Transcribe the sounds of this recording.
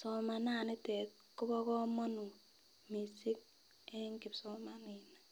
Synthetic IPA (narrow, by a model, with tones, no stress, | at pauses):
sɔ˨ma˨na˦˨nɪ˦tɛ˨t̚ | kʊ˦bɔ˦kɔ˦mɔ˦nu˨ | mi˨si˦k̚ | ɛ˦ŋkɪ˨psɔ˦ma˦ni˨na˨